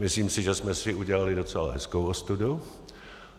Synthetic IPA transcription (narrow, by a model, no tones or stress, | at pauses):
mɪsliːmsɪʒɛsmɛsɪuɟɛlalɪdo̞t͡sɛla̰ɦɛskowost̪udu